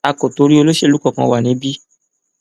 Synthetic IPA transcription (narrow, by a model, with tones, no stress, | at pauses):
a˧ko˨to˧ɾi˦o˧lo˦ʃe˦˧lu˦kɔ˦˨kã˧wa˨nĩ˨˦bi˦